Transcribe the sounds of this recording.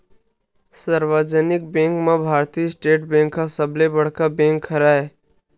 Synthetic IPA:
saɾwəd͡ʒənɪk̚bẽːŋkmãbʱaːɾt̪isʈeːʈbẽːŋkːasəblebəɽ̤kabẽːŋkʰːəɾae

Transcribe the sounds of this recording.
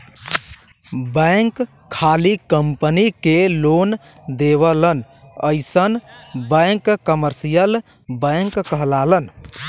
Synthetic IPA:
bə̃ŋkʰː | alikəmpənikelon | d̪eβələn | ə̰ɪsənbə̃ŋkkəməɾsijəl | bə̃ŋkːəɦlalən

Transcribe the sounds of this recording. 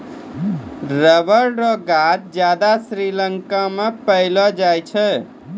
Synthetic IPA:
ɾəbəɾɾɔɡat̪̚d͡ʒjad̪asɾiləŋkamepəɪlɔd͡ʒajt͡ʃʰɛ

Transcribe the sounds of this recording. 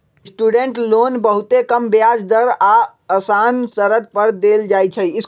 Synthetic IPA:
sʈuɖeɳʈlonbəɦut̪ekəmbjad͡ʒd̪əɾa | əsansəɾət̪̚pəɾd̪eld͡ʒajt͡ʃʰəis

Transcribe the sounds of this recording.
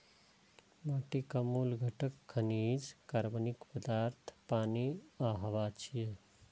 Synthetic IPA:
maʈikɐmuːlɡʱəʈəkʰːɐniːd͡ʒkɐɾbənikpəd̪aːɾt̪ʰpaːniaɦɐʋaːt͡ʃʰije

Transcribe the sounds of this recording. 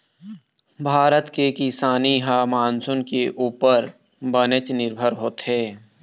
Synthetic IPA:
bʱaːɾət̪kekɪsaːniɦamaːnsʊnkeʔuːpəɾ | bənət͡ʃnɪɾbʱəɾɦoːt̪ɦɛː

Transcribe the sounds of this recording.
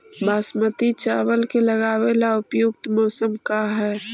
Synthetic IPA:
baːsmət̪it͡ʃaːwəlkeləɣaːwelaʊpjʊk̚t̪mɔːsəmkaɦɛː

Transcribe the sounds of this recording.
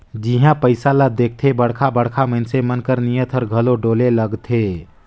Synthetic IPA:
d͡ʒiɦãpəɪsalad̪eːk̚ʰt̪ʰebəɽkʰabəɽ̤kʰamənsemənkəɾnijət̪ʰɔɾɡʱəloɖoːleləɡt̪ʰe

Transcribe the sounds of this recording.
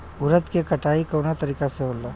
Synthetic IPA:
ʊɾət̪kekɐʈaːikoːnat̪ɐɾiːkaseɦoːlaː

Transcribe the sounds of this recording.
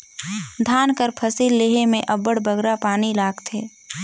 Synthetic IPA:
d̪ʱaːnkəɾpʰɐsiːlːeːɦemẽʔɐbəɽbɐɡɾapaːnilaːɡt̪ʰeː

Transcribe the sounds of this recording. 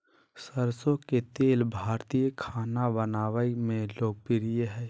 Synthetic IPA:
səɾsõket̪eːlbʱaːɾt̪ijəkʰaːnabənaːʋəimẽloːk̚pɪɾijeɦɛː

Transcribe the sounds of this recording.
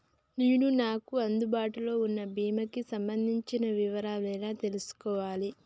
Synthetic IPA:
neːnunaːkuɐnd̪ubaːʈulo̞ːunːɐbʱiːmɐkisɐmbɐnd̪ʱiɲt͡ʃinɐʋiʋɐɾaːlɛːlaːt̪e̞lusu̥kɔːʋaːli

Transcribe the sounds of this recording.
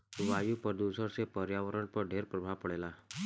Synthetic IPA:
ʋaːjupəɾd̪uːsəɾsepəɾjaʋəɾəɳpəɾɖʱeːɾpɾəbʱaʋpəɽeːlaː

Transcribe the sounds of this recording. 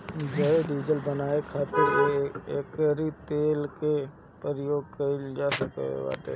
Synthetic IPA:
d͡ʒəeɖid͡ʒəlbənaːekʰaːt̪ɪɾeeːkəɾit̪eːlke | pəɾəjoːɡ̚kɐid͡ʒaːsəkḛḛba̰ːt̪ḛ

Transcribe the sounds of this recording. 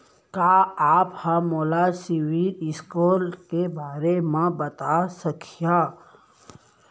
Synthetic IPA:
kaːaːphamoːlasiwilɪskoːlkebaːɾemãbɐt̪asɐkʰijaː

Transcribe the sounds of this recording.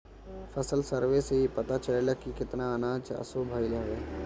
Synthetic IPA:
fəsəlsəɾʋeseɦipɐt̪at͡ʃəlelakikɪt̪naənãːt͡ʃɐ̰sobʱaːilaːʋeː

